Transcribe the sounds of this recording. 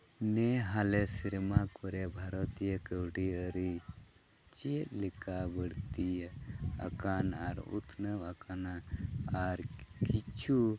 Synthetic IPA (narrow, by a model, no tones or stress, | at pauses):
nɛɦalesiɾmakɔɾɛbʱaɾɔt̪ijəkəwɽiəɾi | t͡ʃilikʰabəɽt̪ijəə̰kanaɾṵt̪ʰnəwakanaaɾkit͡ʃʰu